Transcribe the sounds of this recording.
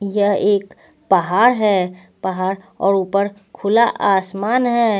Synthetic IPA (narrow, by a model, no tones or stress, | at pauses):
jɐɦeːk | pɐɦaːɾɦɛː | pɐɦaːɾ | ɔːɾuːpəɾkʰʊlaʔaːsmaːnɦɛː